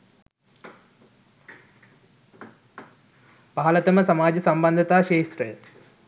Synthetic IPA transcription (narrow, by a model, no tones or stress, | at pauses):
baːlɐt̪ɐmɐsɐmaːd͡ʒɐsɐmbɐnd̪ʱɐt̪aːʃeːʃɾɐj̪